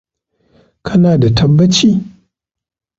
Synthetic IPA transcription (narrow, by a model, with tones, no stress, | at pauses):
kʰɐ˦naː˨da˨tʰɐ˦bːɐ˦t͡ʃiː˦